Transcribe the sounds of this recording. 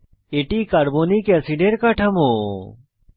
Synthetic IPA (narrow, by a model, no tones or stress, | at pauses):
eːʈiːkaːɾboːniːkeɐsiɖeːɾkaʈʰɐmoː